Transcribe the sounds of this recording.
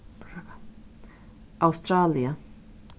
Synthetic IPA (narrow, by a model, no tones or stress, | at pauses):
awst̪ɾaːlia